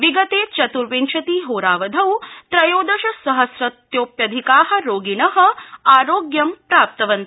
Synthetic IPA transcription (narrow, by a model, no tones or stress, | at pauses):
ʋiɡɐt̪eːt͡ʃɐt̪uɾʋeɲt͡ʃʰɐt̪iːɦoːɾaːʋɐd̪ʱɐwt̪ɾɐjoːd̪ɐʃɐsɐɦɐsɾɐt̪joːpjɐd̪ʱikaːɦɐ̆ɾoːɡinɐɦɐ̆aːɾoːɡjɐmpɾaːp̚t̪ɐʋɐnt̪